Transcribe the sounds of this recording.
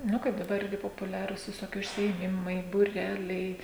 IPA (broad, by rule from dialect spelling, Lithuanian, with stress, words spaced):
ˈnʊ kɐɪp dɐˈbɐr ˈɪrʲɡʲɪ poːpʊˈlʲæːruːs ʋʲɪˈsoːkʲɪ ʊʃʲsʲɪeːˈmʲɪmɐɪ buːˈrʲæːlʲɛɪ